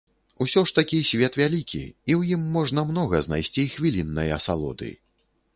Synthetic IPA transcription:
usʲɔʂt̪ɐkʲisʲvʲɛt̪vʲalʲikʲḭiwjimːɔʐnɐmn̪ɔɣɐzna̰jsʲt͡sʲixvʲilʲinːɐjɐ̰salˠɔ̰d̪ɨ̰j

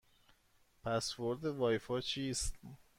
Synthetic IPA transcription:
pʰæsvoɾd̪evɒːjfɒːt͡ʃʰiːst̪

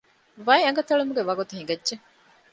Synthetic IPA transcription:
ʋɐiɐŋɡɐt̪ɐɭumuɡeʋɐɡut̪uɦĩŋɡɐdʒe

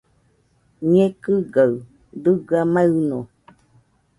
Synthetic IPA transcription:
ɲẽkɨɡaɨ | d̪ɨɡamaɯnõ

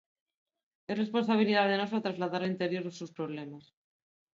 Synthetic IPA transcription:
esre̞spo̞ns̬aβ̞iliðaðenosat̪ɾazlaðaɾaint̪eɾjo̞ɾðosuspɾoβ̞lemas

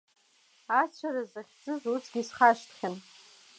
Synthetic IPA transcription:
at͡ɕʷʰaɾazaχʲd͡zɨzut͡sʰɡʲisχaʃtʰχʲan

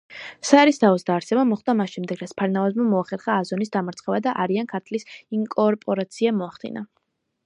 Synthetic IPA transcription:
saɾist̪ʰaɔsd̪aːɾsɛbamɔχd̪amasʃɛmd̪ɛɡɾat̪sʰpʰaɾnavazmamɔaχɛɾχaːzɔnisd̪amaɾt̪sʰχɛvad̪aʔaɾiankʰat̪ʰlisiŋkʼɔɾpʼɔɾat̪sʰiamɔaχd̪ḭna

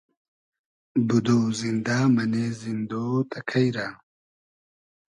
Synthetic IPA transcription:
bud̪oːzind̪aːmɐneːzind̪oːt̪ʰɐkʰɐjɾaː

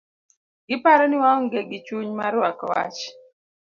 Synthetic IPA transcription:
ɡɪpaɾɔnɪwaŋɔŋɡeɡɪt͡ʃuɲmaɾwakɔ̰wa̰t͡ʃ

